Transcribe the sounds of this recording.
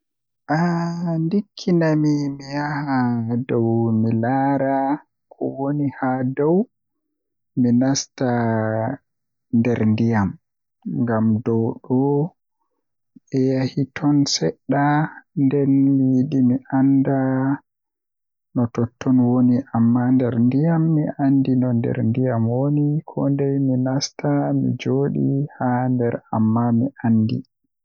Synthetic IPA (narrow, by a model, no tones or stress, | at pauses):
ʔandikʰːinamimijahadɔwmilaɾa | kʰɔ̰wonihadɔw | minasta | ndɛɾndijam | ŋɡamdɔwɗɔ | ɓɛjahitʰɔnsɛɗːandɛnmijiɗimiʔanda | nɔtɔtʰːɔnwoniʔamːandɛɾndijamːiʔandinɔndɛ̰ɾndijamwonikʰɔ̰ndɛjminastamḭd͡ʒoːɗḭhandɛɾa̰mːamiʔanːdḭ